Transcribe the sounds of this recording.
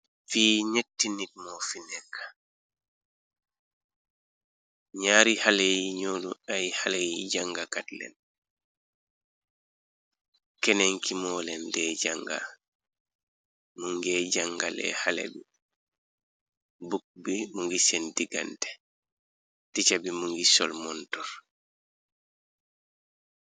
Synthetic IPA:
fiːɲetːinit̚mɔfinɛŋkḁ | ɲaːɾihalejiɲoːlṵajhalejiɟaŋɡakatlɛ̰n | kɛnɛŋkimɔːlɛndɛd͡ʒaŋɡa̰ | muŋɡɛd͡ʒaŋɡalɛ̰halɛ̰ɡu | buk̚bimuŋɡisɛndiɡa̰ntɛ̥ | tit͡ʃabimuŋɡisɔ̰lmɔntɔɾ

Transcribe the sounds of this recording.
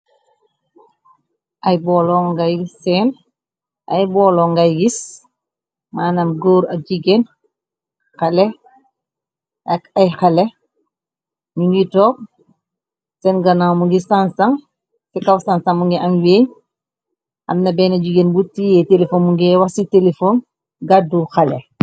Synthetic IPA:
ʔajbɔlɔŋɡajɡisːɛːn | ʔa̰jbɔːlɔŋɡajɡis | maːnamɡoːɾaɟiɡen | xalɛ | akajxalɛ | ɲuŋɡitɔːk̚ | sɛnɡɐnawmuŋɡisansaŋ | sɛkawsansaŋmuŋɡiʔɐmweːɲ | ʔa̰mnɐbɛːnaɟiɡenbutijɛtelefonmuŋɡɛwasitelefon | ɡaduxalɛ̰

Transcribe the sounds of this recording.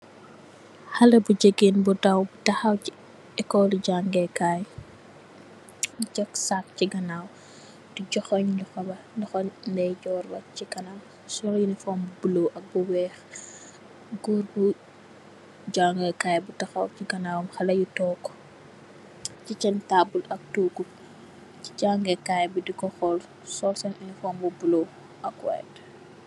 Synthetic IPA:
xɐlɐbuɟəɡeːnbudɐwbutɐxɐwci | ɛkːɔliɟaŋɡɛkaːj | cɔksak̚ciɡɐnaw | diɟɔxɔɲluxɐbɐ | ndɐxɔɲndɛjɟɔːrbɐciɡɐnaw | sɔljunifɔmbubulowʔɐk̚buwɛːx | ɡuːɾbu | ɟaːŋɡɛkajbutɐxɐwciɡɐnaːwɐmxɐlɐjutɔkːɔ̥ | cit͡ʃɛntabulɐk̚tuɡul | ci̥ɟaːŋɡɛkajbudikɔxɔl | sɔlsɐninifɔːmbubulo | ʔɐkwɛ̰ːt

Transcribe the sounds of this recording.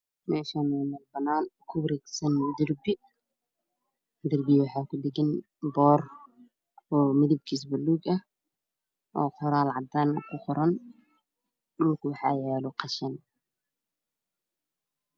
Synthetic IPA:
mɛːʃaːnɛjmɐlbɐnaːnkʰʊwɾɛːɡsɐnd̪ɪrbɪ | d̪ɪrbɪjwɑħɑːkʰʊdɪɡɪn | bɔːr | ɔːmɪðɪb̚kʰis̬bɐlːuːɡɐh | ʔɔːqʰɔɾaːlʕɑd̪aːnkʰʊqɔɾɐn | dʊlkʰʊwɑħɑ̰ːjɛːlɔqʰɑʃɐn

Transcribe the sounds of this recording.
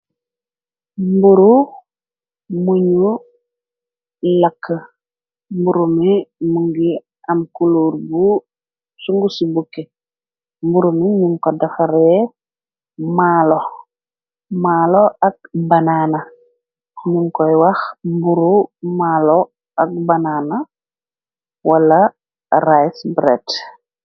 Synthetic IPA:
mbuɾu | muɲu | lakʰːə | mbuɾumimuŋɡi | amkuluɾbu | suŋɡusibuke | mbuɾumiɲuŋkɔdafaɾɛ | maːlɔ | maːlɔɐk̚bɐnaːnɐ | ɲuŋkɔjwɐxmbuɾumaːlɔ | ɐk̚bɐnaːna | walɐ | rajsbɾɛ̰t

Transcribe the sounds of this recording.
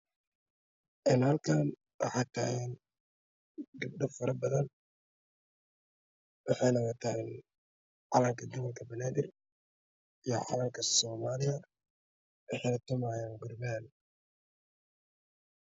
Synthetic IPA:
ʔɪnhɐlkʰaːn | wɑ̰ħɑt̪ʰa̰ːɛn | ɡɪb̚ɖɐfɐɾɐbɐðɐn | wɑħɑjnɐɣɐt̪ʰɐɪn | ʕɑlɐmkʰɐd̪ʊwɐlkʰɐbɐnaːd̪ɪr | ijɞ̰ʕɑ̰lɐmkʰɐsɔːmaːlɪjɐ | wɑħɑjnɐt̪ʰʊmaːjaːnɡʊrbaːn

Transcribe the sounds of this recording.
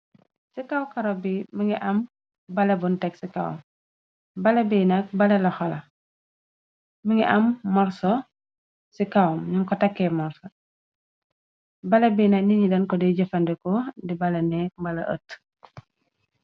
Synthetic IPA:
sikawkɐɾɔbiməŋɡɛʔɐm | bɐlɛbuntɛksikaw̰m | bɐlɛbinɐk̚bɐlɛlɐxɔlɐ | miŋɛʔɐmːɔɾsɔ | sikawmɲuŋkɔtɐkːɛmɔɾsɔ | bɐlɛbinɐkniɲidɐnkɔdɛɟəfɐndɛkɔdibɐlɛnɛk̚mbɐlɐ̰ʔə̰t

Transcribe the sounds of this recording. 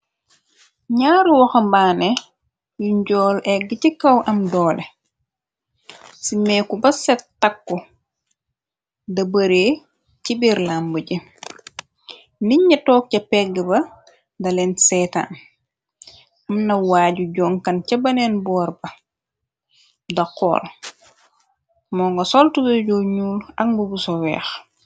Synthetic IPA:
ɲaːɾwɐxɐmbaːnɛ | juɲɟɔːlʔɛɡicikɐwʔɐmdɔːlɛ | simɛːkubɐsɛtːakːu | dɐbɐɾeː | cibiɾlambuɟi | niɲːɐtɔːk̚cɐpɛɡɛbɐ | dɐlɛnsɛːta̰n | amnɐwaːɟuɟɔːŋkɐncɐbɐnɛnbɔːɾbɐ | dɐqɔ̰ːl | mɔːŋɡɐsɔltubɐɟɔːɲuːlɐŋbubusɔwɛ̰ːx

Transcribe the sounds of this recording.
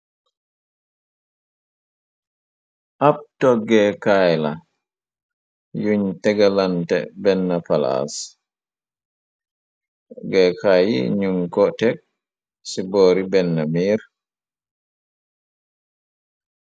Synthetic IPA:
ʔap̚tɔɡɛkajla | juɲtɛɡalantɛ̰bɛnːapala̰s | ɡɛkʰajḭɲumkɔtɛk̚ | siboːɾibɛnːamiːɾ

